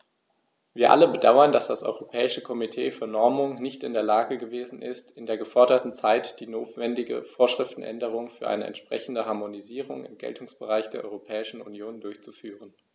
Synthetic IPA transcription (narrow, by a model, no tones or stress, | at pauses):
v̥iːɐʔa̰ləbədaʊɐndasd̥asʔɔ̰ʏʁopʰɛːɪʃəkʰɔmitʰeːfyːɐnɔɐmʊŋnɪçtɪndeːɐlaːɡəɡəveːzn̩ʔɪ̰stɪndeːɐɡəfɔɐdɐtn̩t͡saɪtd̥iːnoːtv̥ɛndɪɡə̰foːɐʃʁ̥ɪftn̩ʔɛ̰ndəʁ̞ʊŋfyːɐʔa̰ɪnə̰ɛ̰ntʃpʁ̥ɛ̰çn̩dəɦaɐmoniziːʁ̞ʊ̰ŋɪ̰mɡɛ̰ltʰʊŋsb̥əʁaɪçd̥eːɐʔɔ̰ʏʁopʰɛːɪʃn̩ṵnjoːndʊɐçt͡sufyːʁ̞ən